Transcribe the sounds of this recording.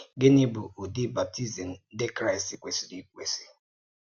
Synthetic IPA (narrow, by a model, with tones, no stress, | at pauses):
ɡɪ˦nɪ˦bʊ˨o˨di˦ba˨p̚tʰi˦zi˨m̩˨˦de˦kɾa˦ɪ˨si˨kʷe˨si˨di˦kʷe˨si̥˨